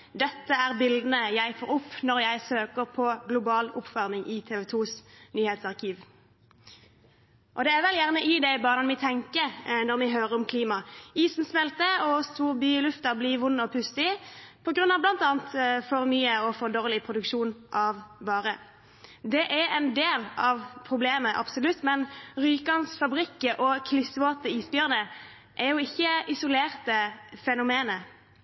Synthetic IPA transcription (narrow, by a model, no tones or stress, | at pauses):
d̪ɛt̪ːəæʁbɪld̪n̩əjæɪfoːɾʊpːnɔɾjæɪsøːkəʁpʰɔɡlʊbɑːlʊpfœʁmɪŋʔɪt̪ʰɛːʋɛt̪ʰuːsnyːhɛːt̪sɑʁkʰiːʋ | ʔɔd̪ɛæɾʋɛljæʁnəʔɪd̪æɪbɑːʁnɑnmɪt̪ʰɛŋkənɔʁmɪɦøːʁəɾɔmkʰliːmɑiːsn̩smɛlt̪əɔst̪ʰuːʁbyːlʉft̪əblɪʋʊnːɔpʰʉst̪ɪpʰɔɡɾʉnːɑʋblɑnt̪ɑːənt̪fɔʁmyːəɔfɔʁd̪oːʁlɪpʰʁʊd̪ʉkʂuːnʔɑʋbɑːʁə | d̪ɛʔæɛnd̪eːlɑʋpʰʁʊbleːməʔɑ̰bsʊlʉt̪ːmɛnʁyːkɑnsfɑbɾɪkːəʔɔkʰlɪsʋoːt̪əiːsbjœʁnə | ʔæɾjʊɪçːəɪsʊleːʁt̪əfɛnʊmeːnə